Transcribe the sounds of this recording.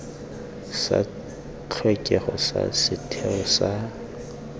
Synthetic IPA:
sa̰ | t͡ɬʰwɛkʼɛχɔsa̰sɪtʰɛɔsa

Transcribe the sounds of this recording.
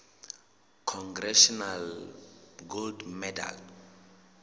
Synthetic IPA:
kʰɔŋɡrɛʃɔnal | ɡoldmɛda̰l

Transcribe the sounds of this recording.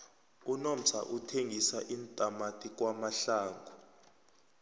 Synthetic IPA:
unom̩t͡sʰa̰ʔutʰeŋɡʱisaʔintʼamatʰʼik̬wamaɬaːŋɡʱu

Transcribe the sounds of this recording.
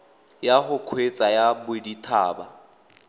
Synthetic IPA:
jahʊkʰwet͡sʼajabʊditʰaːba

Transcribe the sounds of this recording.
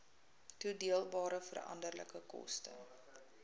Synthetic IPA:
tudiəlˠbɑːɾəfərɐ̰ndərlə̰kəkɔ̰stə

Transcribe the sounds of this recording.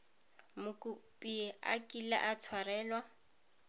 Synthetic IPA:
mʊkʼʊpʼiɛa̰kʼila̰ʔat͡sʰwarɛːlwa

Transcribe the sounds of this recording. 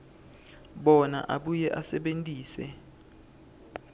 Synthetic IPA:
ɓɔna̰ʔaɓujɛʔasɛɓentʼiːsɛ

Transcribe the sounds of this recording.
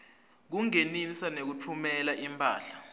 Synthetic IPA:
k̬uŋeninsanek̬ut͡fʰumɛlaʔimpʰʼa̰ːɬḁ

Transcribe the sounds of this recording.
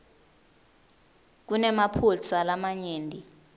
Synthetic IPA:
k̬unɛmapʰult͡sʰalamaɲeːndʱi

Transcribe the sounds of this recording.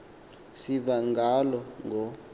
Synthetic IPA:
sivaŋɡʱalɔŋʱɔ

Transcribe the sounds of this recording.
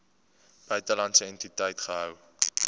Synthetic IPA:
b̥œɥtəlɐntsəɛntitəjtχəɦœw

